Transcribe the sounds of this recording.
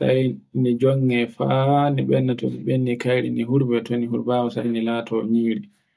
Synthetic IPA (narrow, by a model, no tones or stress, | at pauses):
sa̰jnɛd͡ʒɔŋːɛfaniɓɛnːatɔ̰niɓenːikajɾḭniɦuɾbɛtʰonihuɾbawɔsajnilaːtʰɔɲiːɾi